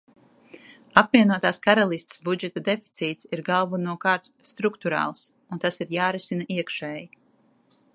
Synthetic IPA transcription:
apvʲiɛnuɔt̪aːskaɾalˠist̪sbud͡ʒɛt̪ad̪efi̥t̪siːt̪siɾɡalˠvunuɔkaːɾt̪ | st̪ɾukt̪uɾɑ̰ːlˠs | unt̪asiɾjaːɾisinaʔiɛkʃɛːji

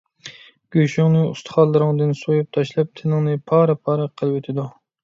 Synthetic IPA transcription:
ɡ̥ʲøʃyŋnɨust̪ʰχɑlˠːɨɾɨŋd̪ɨnsojup̚t̪ʰɑʃlˠɑp̚t̪ʰɪnɪŋnɨpʰɑːɾɨpʰɑːɾɨqʰəlˠwet̪ʰɪd̪u

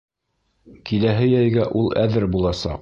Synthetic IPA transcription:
kilæɦɘjæjɡæʔulˠʔæðɘɾbulˠɑsɑ̰q

